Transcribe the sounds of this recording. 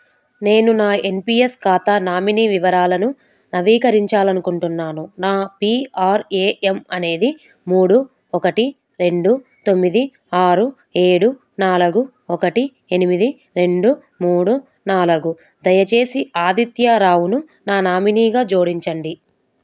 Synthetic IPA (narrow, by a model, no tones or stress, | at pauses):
ne̞ːnunaːe̞mpiːeskaːt̪anaːminiːʋiʋɐɾaːlɐnu | nɐʋiːkɐɾiɲt͡ʃaːlɐnukuɳʈunːaːnunaːpiaːɾeːʔemɐne̞ːd̪i | muːɽu | ɔkɐʈi | ɾe̞ɳɖut̪o̞mːid̪i | aːɾu | e̞ːɽu | naːluɡu | ɔkɐʈi | enimid̪i | ɾe̞ɳɖu | muːɽu | naːluɡu | d̪ɐjɐt͡ʃe̞ːsiʔaːd̪it̪jaɾaːwunu | naːnaːminiːɡaːd͡ʒoːɽiɲt͡ʃɐɳɖi